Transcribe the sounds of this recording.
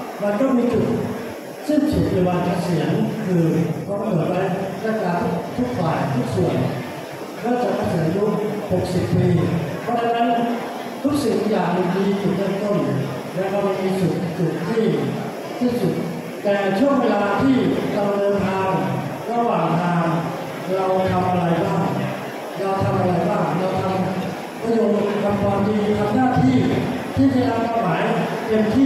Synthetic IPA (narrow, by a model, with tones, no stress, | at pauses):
ma˧nt̪ɔ˥˩ŋmiː˧t͡ɕu˨˩t̪̚ | si˥˩nt͡ɕu˨˩t̪̚ːa˨˩wa˧nt͡ɕa˧˩si˩˦ənkʰɯː˧kʰɔ˧˩˧pʰɤː˩˦wa˦˧˥jla˧˥˩kaː˧˩t̪ʰu˦˥kt̪ʰu˦˥k̚faː˨˩jt̪ʰu˦˥k̚su˨˩ən | kaː˧˥˩t͡ɕa˨˩a˧˥˩sɯ˩˦njuː˦˥ho˨˩k̚si˨˩pːiː˧pʰɔː˧˥t͡ɕʰaː˧˥na˦˥n | t̪ʰu˦˥k̚si˨˩˦ŋ˧jaː˨˩k̚di˨˩miː˧t͡ɕu˨˩nɯ˧˥˩nt̪o˥˩n | lɛː˦˧˥ma˧nma˧miː˧t͡ɕu˨˩t̪̚t͡ɕu˨˩t̪̚ʰːiː˥˩ | siː˥˩su˨˩t̪̚ | t̪ɛː˨˩t͡ɕʰu˥˩əŋdaː˧t̪ʰiː˥˩ɾa˧mnɤː˧nt̪ʰaː˧ŋɾa˧waː˨˩ŋt̪ʰaː˧ŋ | ɾa˧wt̪ʰa˧mʔa˧ɾa˧jbaː˥˩ŋ | ɾa˧wt̪ʰa˧mʔa˧ɾa˧jbaː˥˩ŋɾa˧wt̪ʰa˧m | pʰɾa˧jo˧ŋ˧kʰa˧mkʰwaː˧md̪iː˧t̪ʰa˧mnaː˥˩t̪ʰiː˥˩t̪ʰiː˥˩t͡ɕa˨˩nʰa˧mkaː˧maː˩˦jt̪e˧mt̪ʰiː˥˩